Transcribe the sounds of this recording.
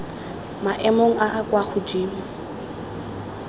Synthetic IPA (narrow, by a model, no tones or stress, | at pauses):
maʔɛmoŋ̩ʔaʔːkʼwaχʊd͡ʒiːm̩